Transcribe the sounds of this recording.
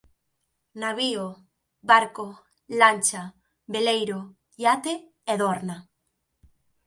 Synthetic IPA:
naβio | βaɾko | lanʲt͡ʃa | βelejɾo | jat̪e | eðoɾna

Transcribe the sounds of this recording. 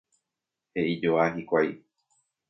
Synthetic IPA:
he̞id͡ʒoaɦikʷaj

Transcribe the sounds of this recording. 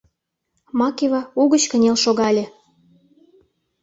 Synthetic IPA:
mɑkevɑuɣə̆t͡ɕkə̆nʲelʃoɣɑlʲĕ

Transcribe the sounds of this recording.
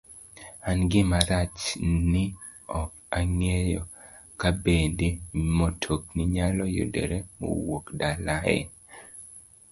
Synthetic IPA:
anɡɪmaɾat͡ʃnɪ | ɔk | aŋejɔ | kabendemotʰoknɪɲalɔjo̰dḛɾemo̰wokdalaɛ̰

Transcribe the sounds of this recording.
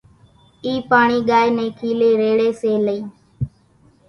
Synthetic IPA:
iːpaːɳiːɠaːjnẽːkʰiːleːɾeːɽeːseːləiː

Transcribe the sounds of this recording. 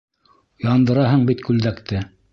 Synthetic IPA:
jɑnd̪ɤ̆ɾɑɦɤɴbit̪kʉld̪ækt̪ʰɘ

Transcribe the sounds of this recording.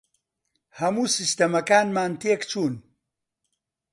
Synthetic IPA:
hɐmuːsist̪ɐmɐkaːnmaːnt̪eːkt͡ʃʰuːn

